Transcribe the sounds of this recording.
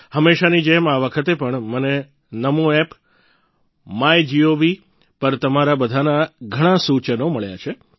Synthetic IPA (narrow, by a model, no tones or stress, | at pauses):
həmːeʃanid͡ʒemaʋəkʰət̪epəɳməne | nəmoep | majd͡ʒiobi | pəɾt̪əmaɾabəd̪ʱanaɡʱəɽ̃ãsut͡ʃənoməɭja̰t͡ʃʰe